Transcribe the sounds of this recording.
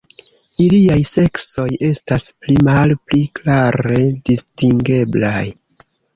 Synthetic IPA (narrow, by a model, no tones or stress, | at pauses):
iliajse̞kso̞je̞stasplimalpliklaɾe̞distiŋɡe̞blaj